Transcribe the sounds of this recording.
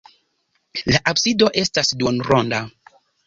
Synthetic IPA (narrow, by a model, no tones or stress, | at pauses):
laʔabsido̞ʔe̞stasdunɾonda